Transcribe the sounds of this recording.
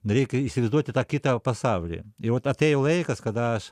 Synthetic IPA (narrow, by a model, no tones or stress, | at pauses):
nɐɾʲekʲisʲɾʲɪzd̪ot̪ʲɪt̪akʲːit̪ɐpɐst̪aʋlʲɪ̰iʋot̪ɐt̪ejʊlˠejkɐskɐd̪aʃ